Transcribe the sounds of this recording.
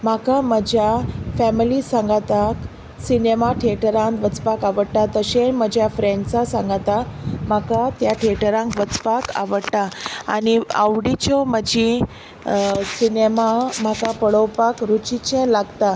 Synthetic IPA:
m̤akaməd͡ʑʱjafɛmilisãŋɡat̪ak | sinemaʈʰeʈəɾãŋt̪ʋət͡spakaʋəɽʈ̪at̪əɕem̤əd͡ʑʱjafɾeɳɖsasãŋɡat̪amakat̪jaʈʰeʈəɾãŋkʋət͡spaka̰ʋəɽt̪aa̰nia̰ʋɽit͡ɕɔməd͡ʑi | sinemam̤akapəɽɔwpakɾut͡ɕit͡ɕɛ̃laɡt̪a

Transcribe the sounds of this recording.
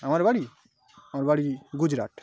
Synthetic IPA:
amaɾbaɽi | amaɾbaɽiɡʊd͡ʒɾa̰ːʈ

